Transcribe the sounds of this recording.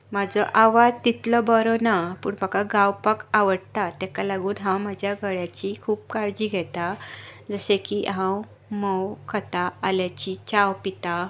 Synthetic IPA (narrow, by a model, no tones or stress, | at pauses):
mad͡zɔʔaʋad͡zt̪it̪lɔbəɾɔnapṵɳpəkaɡãwpəkaʋəɽt̪at̪ɛ̃kalaɡuːnɦãwmad͡ʑʱjaɡəɭjat͡ɕikʰuːpkaɾd͡ʑiːɡʱɛt̪ad͡zəsẽkiɦãw | mɔwkʰət̪aːljat͡ɕit͡ɕawpit̪a